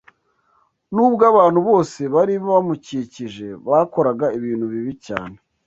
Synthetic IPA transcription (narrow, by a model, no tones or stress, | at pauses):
nuːbɡaβaːnhuβo̞ːse̞βaɾiββamuciciʒe̞βako̞ɾaɡaiβiːn̤uβiβica̰ːne